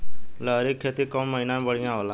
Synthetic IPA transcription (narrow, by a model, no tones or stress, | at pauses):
ləɾikʰːet̪ikɔmːəɦinãmbəɽĩãʋla